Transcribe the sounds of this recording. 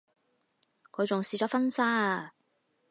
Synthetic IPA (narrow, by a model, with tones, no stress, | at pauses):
kʰɵ˨˧ɥt͡sʊ˨ŋsiː˨˩t͡sɔː˨˥fɐ˥nsaː˥